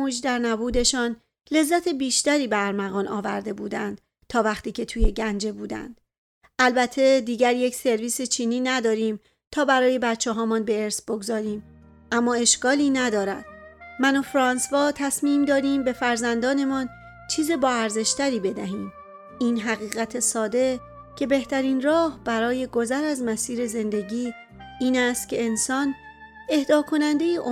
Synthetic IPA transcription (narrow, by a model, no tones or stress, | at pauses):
uːd͡ʒd̪æɾnæbuːd̪e̞ʃɒːn | le̞zːæt̪ʰe̞biːʃt̪æɾiːbeæɾmæɣɒːnʔɒːvæ̰ɾd̪e̞buːd̪ænd̪̥ | t̪ʰɒːvæxt̪iːcʰe̞t̪ʰuːje̞ɟænd͡ʒe̞buːd̪æ̰nd̪̥ | ʔælbæt̪ʰːe̞d̪iːɟæɾjecʰse̞ɾviːset͡ʃʰiːniːnæd̪ɒːɾiːm | t̪ʰɒːbæɾɒːje̞bæd̪̚t͡ʃʰɛɦɒːmɒnbe̞eɾsbo̞ɡzɒːɾiːm | ʔæmːɒːe̞ʃɡɒːliːnæd̪ɒːɾæ̰d̪̥mænofɾɒːnsvɒːt̪ʰæsmiːmd̪ɒːd̪iːmbe̞fæɾzænd̪ɒːne̞mɒːn | t͡ʃʰiːzebɒːæɾze̞ʃt̪ʰæɾiːbe̞d̪æɦiːm | iːnɦæɣiːɣæt̪ʰesɒːd̪e̞ | cʰe̞be̞ht̪ʰæɾiːnrɒːhb̥æɾɒːje̞ɡo̞zæɾæzmæsiːɾe̞ze̞nd̪e̞ɟiː | iːnæst̪̚cʲʰe̞ːnsɒːne̞hd̪ɒːkʰo̞nænd̪ejeʔo